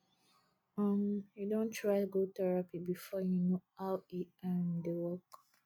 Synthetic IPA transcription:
ɔ̃mjudõntʰɹaɪtɡotɛɹapibifɔjunoawiãndewɔk

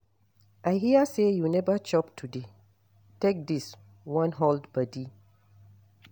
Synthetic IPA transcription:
ʔajɦiəsejunɛvət͡ʃɔptʰude | tek̚dis | wãnɦoldbadi

